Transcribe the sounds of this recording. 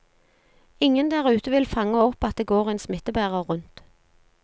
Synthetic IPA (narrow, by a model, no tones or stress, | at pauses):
ɪŋənd̪æʁʉːt̪əʋɪlfɑŋəɔpːɑt̪̚d̪eːɡoːʁeːnsmɪt̪ːəbæːʁəʁʉnt̪